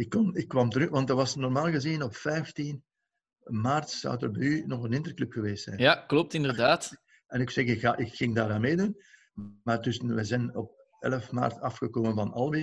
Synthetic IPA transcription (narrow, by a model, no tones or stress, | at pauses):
ɪkːɔnɪkːʋɑmtəɾyːtʋɑntəʋɑsnɔrmaːlˠɣəzinɔpfɛjftin | maːrtsɑ̰wdərbɛjynɔɣənɪnd̪ərklɵpxəʋeːstsɛ̰jnjjaklɔp̚tɪndərdaːt | ɛnɪksɛɣɪkxaːʔɪkxɪŋdaːɾaːnmeːdun | maːrdʏsənʋɛjzɛjnɔp̚ | ɛ̰ləfma̰ːrtɑfxəkoːmənvɑnɑlˠbi